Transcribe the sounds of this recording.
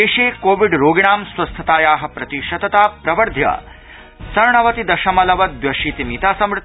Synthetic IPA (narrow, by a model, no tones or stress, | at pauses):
eːʃeːkoːʋiɖɾoːɡiɳaːmswɐst̪ʰɐt̪aːjaːɦɐ̆pɾɐt̪iʃɐd̪ɐt̪aːpɾɐʋɐɾd̪ʱjɐ̰ | sɐɾɳɐʋɐt̪id̪ɐʃɐmɐlɐʋɐd̪ʋʋjɐʃiːt̪imit̪aːsɐmɾɪt̪